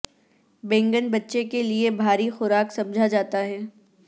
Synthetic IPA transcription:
bɛ̃ːŋɡənbɐtːʃekeliebʱaːɾixʊɾaːksɐ̃md͡ʒʱad͡ʒaːt̪aɦɛː

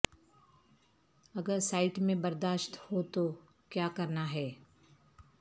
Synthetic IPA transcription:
ɐɡəɾsaːɪʈmẽbɐɾd̪aːʃt̪hot̪o | kjaːkɐɾnaɦɛː

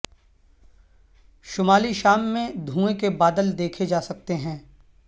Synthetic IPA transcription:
ʃʊmaːliʃaːmːẽd̪ʱũːekebaːd̪əld̪eːkʰed͡ʒaːsɐk̚t̪eɦɛ̃ː

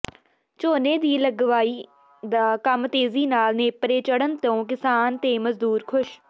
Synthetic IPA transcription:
t͡ʃoːneːd̪iːləɡʋaːiː | d̪aːkəmt̪eːziːnaːlneːpəɾeːt͡ʃəɽənt̪õːk̬ɪsaːnt̪eːməzd̪uːɾkʰʊʃ

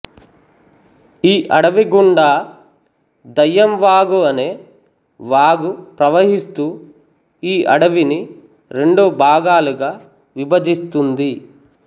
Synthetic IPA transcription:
iːʔɐɽɐʋiɡuɳɖaː | d̪ɐjːɐmʋaːɡuɐneː | ʋaːɡupɾɐʋɐɦist̪uː | iːʔɐ̰ɽɐʋini | ɾe̞ɳɖuːbʱaːɡaːluɡaː | ʋibɐd͡ʒist̪und̪i

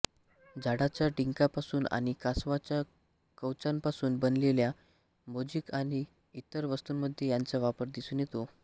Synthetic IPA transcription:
d͡zʱaɽat͡ɕjaʈiŋkapasuːna̰ɽ̃ikasʋat͡ɕja | kəwt͡sãmpasuːnbənlelja | mod͡ʑikaɽ̃i | it̪əɾʋəst̪uːnməd̪ʱːjejant͡saʋapəɾd̪isuːnjet̪o

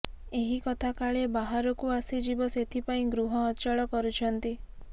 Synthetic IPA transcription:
eɦikɔt̪ʰakaɭebaɦaɾɔkuasid͡ʒibɔset̪ʰipaĩɡɾuɦɔːt͡ʃɔɭɔkɔɾut͡ʃʰɔnt̪i

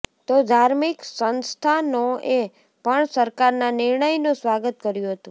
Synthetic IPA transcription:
t̪od̪ʱaɾmiksənst̪ʰanoe | pəɳsəɾkaɾnanɪɾɳəjnũsʋaɡət̪kəɾjũɦət̪ũ

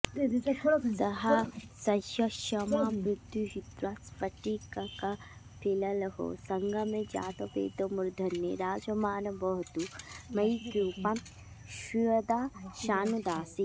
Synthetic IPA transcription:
sɐɦɐsɐʃɐʃɐmaːmɾud̪jujit̪ɾaspɐʈikɐkɐ | pʰilɐlɐɦo̰sɐŋɡʱɐmẽd͡ʒa̰ːt̪ɐpḛːd̪ɐmuɾd̪ʱɐnːḛɾaːd͡ʒɐmaːnɐbɐɦut̪umɐjkɾuːpɐm | ʃuʋɐd̪aːʃaːnud̪aːsi

